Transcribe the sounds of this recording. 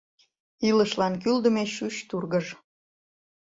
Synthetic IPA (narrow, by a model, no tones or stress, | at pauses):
iləʃlɑnkyld̪əmeʃyɕt̪urɣəʒ